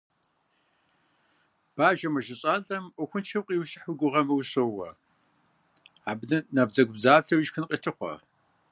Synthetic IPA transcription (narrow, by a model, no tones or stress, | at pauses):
b̥aːʒɐmɐʒɪɕʼaːɮɐmʔʷʊxʷʊnt͡ʃʰɐwqʼiːwɕʼɪħʊɡʷʊʁɐmɨwɕoːwɐ̰ | aːbnɐnaːbd͡zɐɡʷʊbzaːbɬʰɐwiʃxɨnqʼitʰɨχʷɔ̰